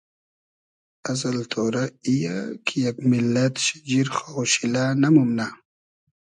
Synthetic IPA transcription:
azalt̪ʰoːɾaija̰kʰijaɡmɪlːat̪ʃḁd͡ʒiɾχowʃilanamʊmna

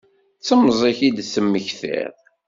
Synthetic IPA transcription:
t͡sːəmːzˤiçid̪θəmːəçθɪ̰ð

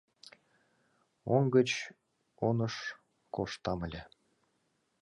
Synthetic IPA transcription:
oŋɡə̆t͡ɕ | onɤ̆ʃ | koʃt̪ɑmə̆lʲe

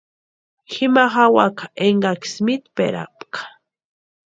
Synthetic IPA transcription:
xɪmaχawakḁʔeɴɢaksmit̪pḛɾa̰pkḁ

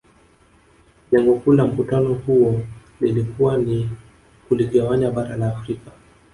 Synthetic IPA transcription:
ɲaŋɡɔkulam̩kutanɔhuɔnilikuwani | kuliɠawaɲaɓaɾalaːfɾika

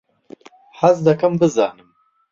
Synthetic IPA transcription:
haz̬d̪akambəzɑ̰ːnəm

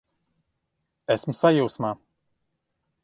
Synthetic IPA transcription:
ɛsmusajuːsmaː

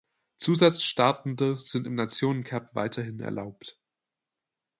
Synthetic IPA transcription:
t͡suːzat͡sʃtaɐtn̩dəz̥ɪntɪmnat͡sjoːnənkʰɛpv̥a̰ɪtʰɐhɪnɛ̰ɐlʔaʊpt

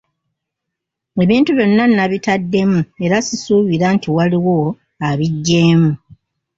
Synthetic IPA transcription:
e̞βiːntuβjo̞nːanːaβitadːe̞mue̞ɾasisuːβiɾantʰiwaliwo̞ | aβiɟːe̞ːmu

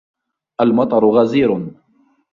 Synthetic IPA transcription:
ʔalmɑt̪ˤɑɾˤʊɣaziːɾ

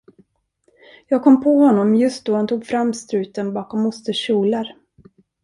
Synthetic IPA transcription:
jɑːɡ̚kʰɔmːpʰɔhɔnːɔmjɵst̪̚d̪ɔhant̪ʰuːɡfɾamːst̪ɾʉ̟ːt̪ənbɑːkɔmːʊst̪əʂuːlaɾ

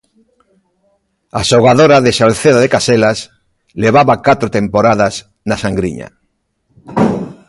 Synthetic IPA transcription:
aʃoɣaðoɾaðeʃalθeðaðekaselas | leβaβakat̪ɾot̪empoɾaðas | nasaŋɡɾḭɲa̰

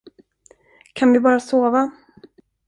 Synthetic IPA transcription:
kʰanvɪbɑːɾasoːva

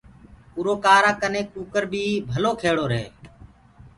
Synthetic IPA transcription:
uːɾoːkaːɾaːkəneːkuːkəɾbʱiːbʱəloːkʰeːɽoːɾeː

